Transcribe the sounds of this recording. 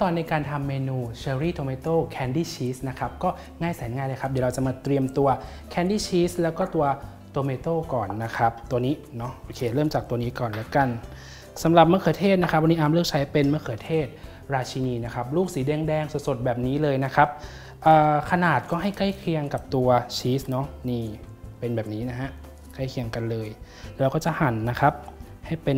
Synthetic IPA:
t̪ɔː˨˩nːa˧jkaː˧nt̪ʰa˧mːeː˧nuː˧t͡ɕʰeː˧ɾiː˥˩t̪ʰoː˧meː˧t̪oː˥˩kʰɛː˧ndiː˥˩t͡ɕʰiː˦˥sna˦˥kʰa˦˥p̚kɔː˥˩ | ŋaː˥˩jsa˩˦nŋaː˥˩jlɤː˧jkʰa˦˥p̚di˨˩ɾa˧wt͡ɕa˨˩ʔmaː˧t̪ɾi˧əmt̪u˧ɐ | kʰɛː˧ndiː˥˩t͡ɕʰiː˦˥slɛː˦˥wkɔː˥˩t̪u˧ɐ | t̪oː˧meː˧t̪oː˥˩kɔː˨˩nːa˦˥kʰa˦˥p̚t̪u˧ɐniː˦˥nɔ˦˥ʔoː˧˩kʰeː˧ɾɤː˥˩mt͡ɕaː˨˩k̚t̪u˧ɐniː˦˥kɔː˨˩nlɛː˦˥ka˧˩n | sa˩˦mɾa˨˩p̚mɯ˦˥əkʰɤː˨˩˦t̪ʰeː˥˩t̪̚na˦˥kʰa˦˥p̚wa˧niː˦˥ʔaː˧mlɯ˥˩ək̚t͡ɕʰa˦˥jpe˧nmɯ˥əkʰɤː˨˩˦t̪ʰeː˥˩t̪̚ | ɾaː˧t͡ɕʰi˧niː˧na˦˥kʰa˦˥p̚luː˥˩k̚siː˩˦dɛː˧ŋdɛː˧ŋso˨˩t̪̚so˨˩t̪̚bɛː˨˩p̚niː˦˥lɤː˧jna˦˥kʰa˦˥p̚ | ʔɤː˨˩kʰa˧naː˨˩t̪̚kɔː˥˩ɦa˥˩jkla˥˩jkʰi˧əŋka˨˩p̚t̪u˧ɐt͡ɕʰiː˦˥snɔ˦˥niː˧˥˩ | pe˧nbɛː˨˩p̚niː˦˥na˦˥ɦa˦˥ʔ | kʰa˥˩jkʰi˧əŋka˧nlɤː˧j | lɛː˦˥wkɔː˥˩t͡ɕa˨˩ha˩˦nːa˦˥kʰa˦˥p̚ | ha˥˩jpe˧

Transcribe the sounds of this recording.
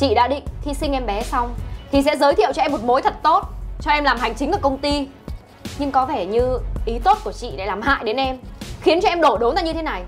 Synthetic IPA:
t͡ɕḭ˧˨ɗa̰ː˧˥ɗḭ̈˧˨ŋ̟t̪ʰi˧sï˧ŋʔɛ˧mɓɛ˨˦sa˧wŋ͡mt̪ʰi˨˩sɛ̰˧˥zəː˨˦jt̪ʰḭ˧˨wt͡ɕɔ˧ɛ˧mːo˨˩t̚mo˨˦jt̪ʰə˨˩t̚t̪o˦˥t̚t͡ɕɔ˧ʔɛ˧mlaː˨˩mha˨˩jŋ̟t͡ɕï˨˦ŋ̟aː˧˩kə˧wŋ͡mt̪i˧ | ɲɨ˧ŋkɔ˨˦ve˧˩ɲɨ˧ʔi˨˦t̪o˦˥t̚ku˧˩ət͡ɕḭ˧˨ɗe˧˩laː˨˩mha̰ː˧˨jɗe˨˦nʔɛ˧mxi˨˦ənt͡ɕɔ˧ʔɛ˧mɗo˧˩ɗo˨˦nzaː˧˩ɲɨ˧t̪ʰe˨˦na˨˩j

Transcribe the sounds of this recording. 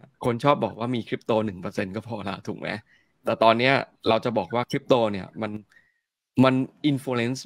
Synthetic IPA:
kʰo˧nt͡ɕʰɔː˥˩p̚bɔː˨˩k̚waː˥˩miː˧kʰɾi˦˥p̚t̪oː˧nɯ˨˩ŋpɤː˧se˧nkɔː˥˩pʰɔː˧la̰˦˧˩t̪ʰuː˨˩k̚mʔa̰˦˥ | t̪ɛː˨˩t̪ɔː˧nːi˦˥ɐɾa˧wt͡ɕa˨˩bɔː˨˩k̚waː˥˩kʰɾi˦˥p̚t̪oː˧ni˥˩ɐma˧n | ma˧nʔi˧nfoː˧le˦˥ns

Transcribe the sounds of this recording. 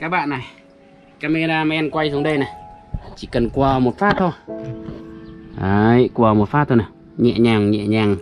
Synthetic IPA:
ka˧˦ba˧˨ʔna˨˩j | ka˧˦me˧ɾaː˧ma˧ʔɛ˧nkwa˧jsu˨˦ɗə˧jna˨˩t͡ɕi˧˨kə˨nkwaː˧˩mo˨t̚faː˦˥t̪ːo˧˩ | ha˨˧jkwaː˧mo˨˩t̚faː˦t̪̚ːo˧na˨˩ | ɲɛ̰˧˨ʔɲa˧ŋɲɛ̰˧˨ʔɲa˧˩ŋ

